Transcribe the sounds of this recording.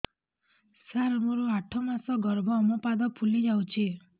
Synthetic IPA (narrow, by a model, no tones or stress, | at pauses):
saɾɔmɔɾuaʈʰɔmasɔɡɔɾbʱɔːmɔpad̪ɔpʰulid͡ʒawt͡ʃʰi